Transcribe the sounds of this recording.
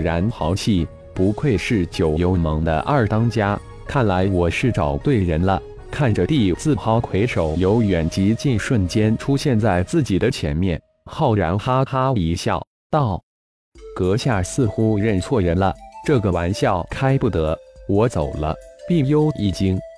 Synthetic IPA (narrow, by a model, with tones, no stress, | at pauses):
ɻa˧˥nxɑ˧˥ʊt͡ɕʰi˥˩ | pu˧˥kʰwe˥˧ɪʂɻ̩˥˩t͡ɕjo˨˩ʊjo˧˥ʊmɤ˧˥ŋd̪ə̰˧ʔa˞˥˩t̪ɑ˥ŋt͡ɕja˥ | kʰa˥˩nla˧˥ɪwɔ˨˩ʂɻ̩˥˩ʈ͡ʂɑ˨˩ʊt̪we˥˩ɪɻə˧˥nlə̰˧ | kʰa˥˩nʈ͡ʂə˩t̪i˥˩t͡sɹ̩˥˩xɑ˥ʊkʰwe˧˥ɪʂo˨˩ʊjo˧˥ʊɥɛ˨˩nt͡ɕi˧˥t͡ɕi˥˩nʂwə˥˩nt͡ɕjɛ˥nʈ͡ʂʰu˥ɕjɛ˥˧nt͡sa˥˩ɪt͡sɹ̩˥˩t͡ɕi˨˩d̪ə˦t͡ɕʰjɛ˧˥nmjɛ̰˥˧˩n | xɑ˥˩ʊɻa˧˥ntʰa˥t̪ʰa˥i˧˥ɕjɑ̰˥˩ʊ | t̪ɑ˥˩ʊ | kɤ˧˥ɕja˥˩sɹ̩˥˩xu˥ɻə˥˩nt͡sʰwɔ˥˩ɻə˧˥nlə˧ʈ͡ʂɤ˥˩ɡə˩wa˧˥nɕjɑ˥˩ʊkʰa˥ɪpu˥˩t̪ɤ˧˥wɔ˧˥t͡so˨˩ʊlə̰˦ | pi˥˩ŋjo˥ʊi˥˩t͡ɕi˥ŋ